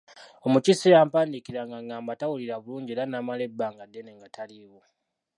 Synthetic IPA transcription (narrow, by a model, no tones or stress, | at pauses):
o̞mucisijaːmpaːndikiɾaŋɡaŋɡaːmbatawuliɾaβuluːɲɟeɾanamale̞bːaŋɡadːeneŋɡataliwo